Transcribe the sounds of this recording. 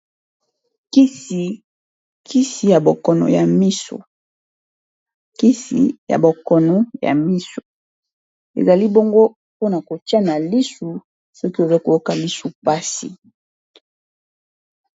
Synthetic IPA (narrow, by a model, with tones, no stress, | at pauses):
ki˦si˨ | kʰi˦si˨ja˨bo˨kɔ˨nɔ̰˨ja˨mi˦so̰˨ | ki˦sḭ˨ja̰˨bo˨kɔ˨nɔ˨ja̰˨mi˦so̥˨ | ḛ˨za˨li˦bo˦ŋɡo˦ | po˦na˨ko˨ti˦a˦na˨li˦su˨ | sɔ˦ki˦e˨za˦ko˨jo˦ka˨li˦su˨pa˦sḭ˨